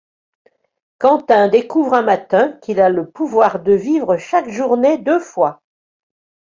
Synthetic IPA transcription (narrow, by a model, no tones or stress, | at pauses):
kɑ̃t̪ɛ̃d̪ekuvʁɛ̃mat̪ɛ̃kʲilaləpuvwaʁd̪əvivʁəʃakʒuʁned̪øfwa